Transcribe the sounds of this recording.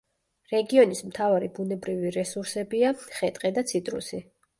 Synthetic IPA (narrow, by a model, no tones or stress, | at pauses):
ɾɛɡiɔnismt̪ʰavaɾibunɛbɾiviɾɛsuɾsɛbiaχɛt̪ʼqʼɛd̪at̪sʰit̪ʼɾṵsi